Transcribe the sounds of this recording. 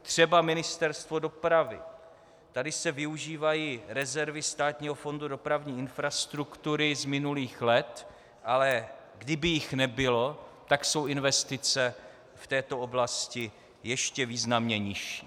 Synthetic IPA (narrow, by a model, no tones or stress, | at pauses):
t̪r̝̥ɛbamɪnɪst̪ɛɾst̪vo̞do̞pɾavɪ̰ | t̪adɪsɛvɪuʒiːvajiːɾɛzɛɾvɪst̪aːt̪ɲiːɦo̞fo̞ndudo̞pɾavɲiːɪnfɾast̪ɾukt̪uɾɪzmɪnuliːxlɛt̪ | ʔalɛ | ɡdɪbɪjɪxnɛbɪlo̞t̪akso̞wɪnvɛst̪ɪt͡sɛ | ft̪ɛːt̪o̞oblascɪ | jɛʃcɛviːznamɲɛɲɪʃi̥ː